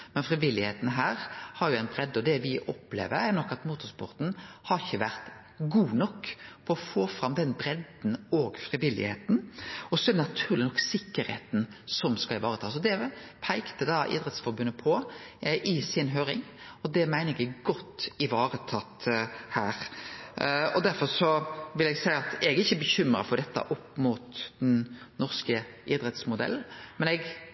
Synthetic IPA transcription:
mɛnfɾɪʋɪlːɪheːt̪n̩ɦæːɾhɑɾjʊæɪnbɾɛd̪ːɔd̪ɛʋɪʔɔplḛːʋə̰ɾæɾnɔkːɑt̪muːt̪ʊspʊ̰ɾt̪n̩hɑɾɪçːəʋæʁt̪ | ɡuːnɔkːfɔɾɔfoːfɾɑmd̪ɛnbɾɛd̪n̩ɔːɡfɾɪʋɪlːɪ̰hḛːt̪n̩ɔsɔɛɾd̪ɛnɑt̪ʰʉːʁlɪnɔkːsɪkːəɾhḛːt̪nsɔmskɑɪʋɑːɾət̪ʰɑːsɔd̪ɛpʰæɪkt̪əd̪ɑʔɪ̰ːd̪ɾɛt̪sfɔɾbʉnːəpʰɔʔɪsɪnɦøːɾɪ̰ŋɔd̪ɛmæɪnəɾɛɡɛɡɡɔt̪ːɪʋɑːɾət̪ʰɑt̪hæːɾ | ɔd̪æɾfɔɾsɔʋɪlɛɡsæɪɑt̪ɛɡæɾɪçːəbəçʏmɾɑ̰fɔd̪ɛt̪ːə̰ʔɔpːmuːt̪d̪̥ɛnnɔʁskə | ʔɪd̪ɾɛt̪smʊd̪ɛ̰lːn̩mɛnɛɡ

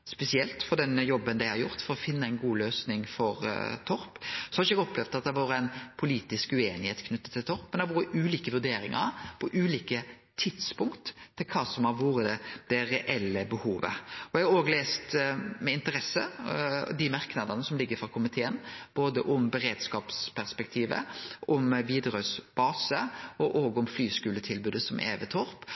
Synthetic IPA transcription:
spɛsɪɛlt̪fɔʁd̪ɛnjɔbːənd̪æɪhɑɾjʊɾt̪fɔɾɔfɪnːəæɪnɡuːløːsnɪŋfɔɾt̪ʰɔɾpsɔhɑɪʃəɛɡɔpːlɛʋd̪ɑt̪̚d̪ɛʋɑːɾəæɪnpʰʊliːt̪ɪskʉeːnɪheːt̪kʰnʉt̪ːət̪ʰːɪlt̪ʰɔɾpːmɛnd̪ɛʋuːɾəʉːliːkəʋʉɾd̪eːɾɪŋə̰ɾpʰɔʔʉːliːkə | t̪ʰɪd̪spʊŋkt̪ʰːɪlkʰɑːsɔmhɑɾʋuːɾəd̪̥ɛɾɛʔɛlːəbəhuːʋə̰ɔɛɡɑoːɡəleːst̪mɛɪnt̪əɾɛsːə | d̪ɪmɑɾknɑd̪ɑnəsɔmlɪɡːəfɾɑkʰʊmɪt̪ʰeːənb̥oːd̪əʔɔmbəɾeːd̪skɑːpspʰæʁspɛk̚t̪ʰiːʋə̰ɔmʋiːd̪ɾʉsb̥ɑːsəɔʔoːɡəʊmflyːskʉːlət̪ʰɪlbʉːd̪əsɔmʔḛːʋət̪ʰɔɾp

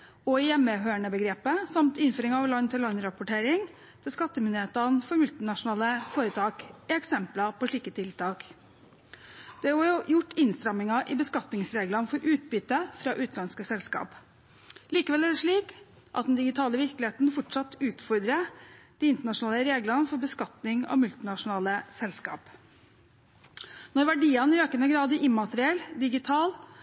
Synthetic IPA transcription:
ɔɪjɛmːəɦøːəɳəbəɡɾeːpəsɑmt̪ɪnføːɾɪŋɑʋlɑnːt̪ʰɪlːɑnːɾɑpʊʈʰeːɾɪŋ | t̪ʰɪlskɑt̪ːəmʏnd̪ɪeːt̪ɑnfɔɾmʉlt̪ɪnɑʂʊn̩ɑːləfoːɾət̪ʰɑːkɛksɛmplɑpʰɔʂɭiːkət̪ʰɪlt̪ʰɑːk | d̪̥ɛhɑɾʊjʊʈːɪnst̪ɾɑmɪŋɑʔɪbəskɑt̪nɪŋsɾeːɡlɑnfɔɾʔʉːt̪̚byːt̪əfɾɑːʔʉːt̪lɑnskəsɛlskɑ̰ːp | liːkəʋɛlæd̪ɛʂɭiːk | ʔɑ̰t̪̚d̪ɛnd̪ɪɡɪt̪ʰɑːləʋɪɾklɪeːt̪nfɔʈʂɑt̪ːʉːt̪fɔɾd̪ɾəd̪̥iːɪnt̪əɳɑʂʊnɑːləɾeːɡlɑnfɔɾbəskɑt̪nɪŋɑ̰ʋmʉlt̪ɪnɑʂʊnɑːləsɛlskɑ̰ːp | nɔɾʋæɖiːənɾøːkənəɡɾɑːd̪əʔɪmmːɑt̪əɾɪɛlːd̪ɪɡɪt̪ʰɑːl

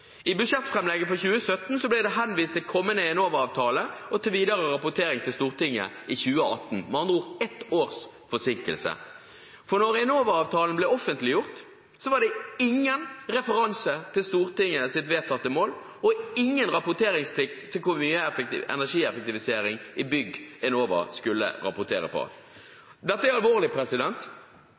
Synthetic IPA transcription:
ɪbʉʂɛt̪ːfʁɛmlɛɡəfɔçʉːəsœt̪n̩sɔblæɪd̪ɛɦɛnʋiːst̪ʰːɪlkʰɔmːənəɛnoːʋəɾɑːʋt̪ʰɑːləɔt̪ɪlʋiːd̪ɑʁəʁɑpʊt̪ʰeːɾɪŋt̪ʰɪlst̪uːʁt̪ɪŋːə̰ɪçʉːəɑ̰t̪n̩mɑnd̪uːʁɛt̪oːʁs | fɔsɪŋkə̰lsə̰ | fɔʁnɔɾɛnoːʋəɾɑːʋt̪ʰɑːlən̩blɛɔfənt̪lɪjʊʁt̪ | sɔʋɑɖ̪ɛɪŋːənɾɛfəɾɑnsət̪ʰɪlst̪uːʁt̪ɪŋːəsɪt̪ʋeːt̪ʰɑt̪ːəmoːl | ɔɪŋːənɾɑpʊt̪ʰeːɾɪŋspʰlɪk̚t̪ʰːɪlkʰʊmyːəɛfɛɪɛ̰næʂiːɛfɛk̚t̪ɪʋɪseːɾɪŋɪbʏɡɛnoːʋə̰skʉlːə̰ɾɑ̰pʊt̪ʰḛːɾə̰pʰɔ̰ | d̪ɛt̪ːəæɾɑlʋoːʁlɪpʰɾɛsɪd̪ɛnt̪

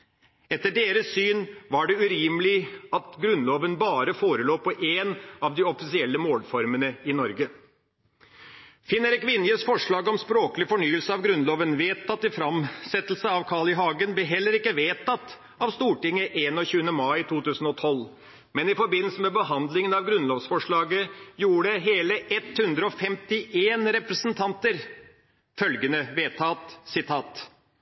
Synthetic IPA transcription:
ɛt̪ːəɖeːɾəssyːnʋɑɖɛʉɾiːmlɪɑt̪ɡɾʉnloːʋənbɑːɾəfoːɾəloːpɔʔeːnɑʋd̪ɪɔfɪsɪɛlːəmoːlfɔɾmənəɪnɔɾɡə | fɪnːəɾɛkʋɪnjəsfɔʂɭɑːɡɔmspɾoːkəlɪfɔɳyːəlsəɑʋɡɾʉnloːʋənʋeːt̪ʰːɑt̪ːɪfɾɑmsɛt̪ːəl̩səɑʋkʰɑɭɪɦɑːɡənblɛɦɛlːəɾɪkːəʋeːt̪ʰɑt̪ː | ɑʋst̪uːʈɪŋːəʔeːnɔçʉːənəmɑɪt̪ʰuːt̪ʉːsn̩ɔt̪ʰɔl | mɛnɪfɔɾbɪnːlsəmɛbəɦɑnd̪lɪŋənɑʋɡɾʉnloːʋsfɔʂɭɑːɡəjuːɖəɦeːləʔɛt̪hʉnd̪ɾəɔfɛmt̪ɪʔeːnɾɛpɾəsənt̪ʰɑnt̪əɾ | fœlɡənəʋeːt̪ʰɑːt̪sɪt̪ʰɑːt̪

